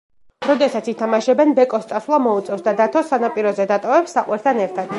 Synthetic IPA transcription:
ɾɔd̪ɛsat̪sit̪ʰamaʃɛbɛnbɛkʼɔst̪sʼaswlˠamɔut̪sʼɛfsd̪ad̪at̪ʰɔsanapʼiɾɔzɛd̪at̪ʼɔvɛpsːaqʼwɛɾt̪ʰanɛɾt̪ʰad̪̥

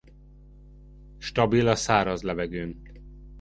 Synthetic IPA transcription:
ʃt̪ɒbilɒsaːɾɒzlɛvɛɡøːn

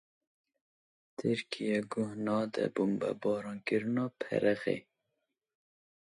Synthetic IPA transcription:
t̪ʰɨɾkʰijɛɡʊhnɑːd̪ɛ̰bumbɛ̰bɑːɾɑːnkɨɾɨnɑːpʰɛ̰ɾɛɣḛː

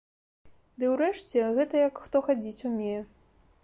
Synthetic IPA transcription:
d̪ɨwɾɛʂt͡sʲɛɣɛt̪ɐjɐkxt̪ɔxad͡zʲit͡sʲumʲejɛ

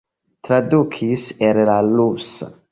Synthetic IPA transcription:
t̪ɾad̪ukʰisɛɾelalusa̰

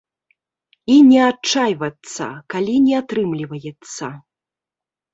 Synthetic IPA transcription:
inʲɛat͡ʂajvɐt̪sːɐ̰kalʲinʲɛat̪ɾɨmlʲivɐjɛt̪sːɐ

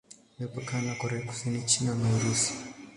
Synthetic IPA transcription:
lipakanakɔɾɛaku̥sinit͡ʃinanauɾusi̥

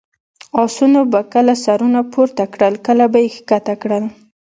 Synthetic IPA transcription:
ɑsunobakəlasaɾunapʰoɾt̪akɽəlkəlabajexkat̪akɽəl

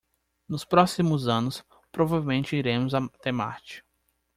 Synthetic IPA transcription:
nʊspɾɔsimʊzɐ̃nʊs | pɾovavewmẽnt͡ʃɪiɾẽmʊzɐt̪ema̰t͡ʃɪ̥k

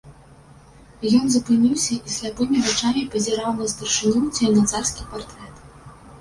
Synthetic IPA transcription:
jɔnzɐpɨnʲiwsʲɐʔisʲlʲapɨmʲivɨt͡ʂamʲipɐzʲɛɾawnɐst̪ɐrʂɨnʲut͡sʲɛjnat̪sarskʲipart̪ɾɛt̪

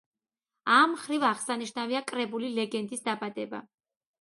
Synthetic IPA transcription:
amχɾivaʁsaniʃnaviakʼɾɛbulilɛɡɛnd̪isd̪abad̪ɛba̰

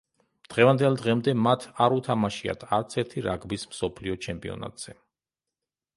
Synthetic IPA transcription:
d̪̥ʁɛvand̪ɛlˠd̪ʁɛmd̪ɛmat̪ʰaɾut̪ʰamaʃia̰t̪ʰaɾt̪sʰɛɾt̪ʰiɾaɡbismsɔpʰliɔt͡ʃʰɛmpʼiɔ̰na̰t̪z̥ɛ

